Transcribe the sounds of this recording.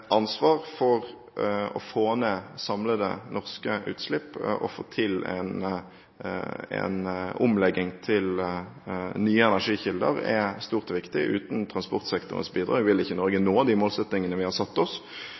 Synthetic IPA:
ʔɑnsʋɑːʁfɔʁ | ɔ̰foːnesɑmləd̪ɛ̰nʔɔʁskəʉ̰ːt̪slɪpːʔɔ̰fo̰ːt̪ʰɪlɛ̰n | ɛ̰nʊmlɛɡɪŋt̪ʰɪl | nyːəɛnæʁʂiːçɪld̪ə̰ʁɛ̰st̪uːʁt̪ɔʋɪkt̪ɪʔʉ̰ːt̪n̩t̪ʰʁɑnspɔʁt̪sɛkt̪ʊ̰ʁə̰nsbiːd̪ɾʁɑ̰ːʋɪʋɪlɪçːənɔɾɡənoːɑd̪iːmoːlsɛt̪nɪŋənəʋɪhɑʁsɑt̪ːɔs

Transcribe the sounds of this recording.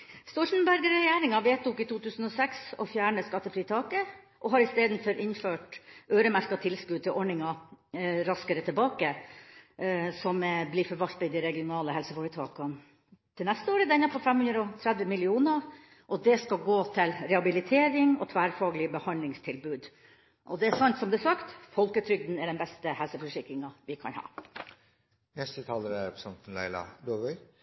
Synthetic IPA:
st̪oːʂn̩bæɾɡəɾɛjeːɾɪŋɑʋeːt̪uːkɪt̪uːt̪ʰʉːsn̩ɔsɛksɔfjæːɳəskɑt̪ːəfɾiːt̪ʰɑːkə | ʔɔɦɑɾɪst̪eːd̪n̩fɔɾʔɪnføːʈʔøːɾəmæɾkɑt̪ʰɪlskʉːd̪̚t̪ɪʔɔɳɪŋɑ | ɾɑskəɾət̪ʰɪlbɑːkə | sɔmblɪːfɔɾʋɑlt̪ɑɪd̪ɪɾɛɡɪʊnɑːləhɛlsəfɔːɾət̪ʰɑ̰ːkɑn | t̪ʰɪlnɛst̪əoːɾəd̪ɛnɑpʰɔfɛmhʉnd̪ɾɔt̪ʰɾɛd̪ʋəmɪlɪuːnə | ʔɔd̪ɛskɑlɡoːt̪ʰɪlɾɛhɑbɪlɪt̪ʰeːɾɪŋɔt̪ʰʋæːɾfɑːɡəlɪəbəhɑnlɪŋst̪ʰɪlbʉːd̪ | ʔɔd̪ɛæsɑnt̪sɔmd̪ɛsɑkt̪fɔlkət̪ʰɾʏɡ̚d̪n̩ɛɖɛnbɛst̪əhɛlsəfœʂɪkɾɪŋɑʋɪkʰɑ̰nhɑ̰ː | nɛst̪ət̪ʰɑːləɾæɾɛpsɑnt̪n̩læ̰ɪlɑ̰d̪oːʋœʏ

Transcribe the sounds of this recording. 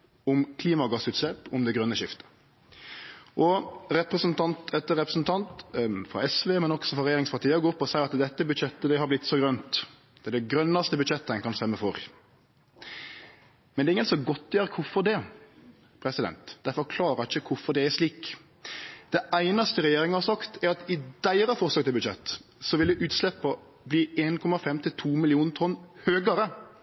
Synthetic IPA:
ʊmkʰliːmɑɡɑsʉːt̪slɛpɔmd̪ɛɡɾœnːəʃɪft̪ə̥ | ʔɔɾɛpɾəsnt̪ʰɑnt̪ʰɛt̪ːəɾɛpɾəsn̩t̪ʰɑnt̪fɾɑ̰ɛsʋeːmɛnɔksɔfɾɑɾɛjeːɾɪŋspʰɑɾt̪ʰiːəɔɡoːpːɔsæɪɑt̪d̪ɛt̪ːəbʉd̪ʃɛt̪ːəd̪ɛhɑɾblɪt̪ːsɔɡɾœnt̪ | ɛd̪ɛɡɾœnːɑst̪əbʉd̪ʃɛt̪ːəɛnkʰɑnst̪ɛmːəfɔɾ | mɛnɛɪŋːənsɔɡɔt̪ːjøːɾəkʰʊɾfɔɾd̪ɛ | pʰɾɛsɪd̪ɛ̰nt̪d̪̥æɾfɔɾkʰlɑːɾɑɾɪçːəkʰʊɾfɔɾd̪ɛæɾʂliːk | d̪̥ɛæɪnɑst̪əɾɛjeːɾɪŋəhɑɾsɑkt̪æɾɑt̪ɪd̪̥æɪɾɑfɔɾslɑːɡt̪ʰɪlbʉd̪ʃɛ̰t̪ːsɔʋɪld̪ɛʔʉːt̪slɛpːɔ | bliːeːnkʰɔmɑfɛmt̪ʰɪlt̪ʰuːmɪlɪuːnt̪ʰɔnːhøːɡɑɾə

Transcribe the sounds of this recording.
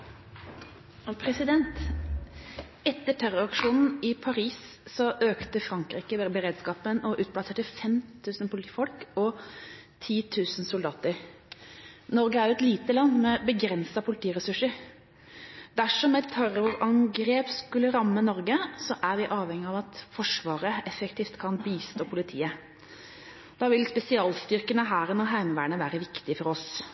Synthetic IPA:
pʰɾɛsɪd̪ɛnt̪ | ɛt̪ːəʈʰæɾɔɾɑkʂuːnn̩ɪpʰɑɾiːs | sɔʔøːkt̪əfɾɑŋkɾiːkəbəɾeːd̪skɑːpənɔʔʉːt̪̚plɑseːʈəfɛmt̪ʰʉːsənpʊlɪt̪iːfɔlkɔ | t̪ʰiːt̪ʰʉːsn̩sʊld̪ɑːt̪əɾ | nɔɾɡəæjʊɛt̪liːt̪əlɑnːmɛbəɡɾɛnsɑpʰʊlɪt̪ʰiːɾɛsʉʂəɾ | d̪æʂɔmɛt̪ʰːɑɾʊɾɑŋɡɾeːpskʉlːəɾɑmːənɔɾɡəsɔʔæʋɪʔɑːʋhɛŋːɪɑʋɑt̪fɔʂʋɑːɾəɛfɛkt̪ʰiːft̪kʰɑnbiːst̪oːpʰʊlɪt̪ʰiːə | d̪̥ɑːʋɪlspɛsɪɑːlst̪ʏɾkənəɦæːɾɛnɔɦæɪmʋæːəɳəʋæːɾəʋɪkt̪ɪfɔɾɔs

